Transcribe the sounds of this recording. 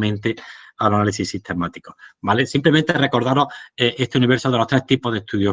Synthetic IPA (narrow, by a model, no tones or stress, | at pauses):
mẽnt̪ealanalisisit̪e̞mat̪ikobalesimple̞mẽnt̪ere̞ko̞ɾðaɾoeʔest̪e̞uniβ̞eɾsoð̞e̞lo̞ht̪ɾeht̪ipoðeht̪uðjo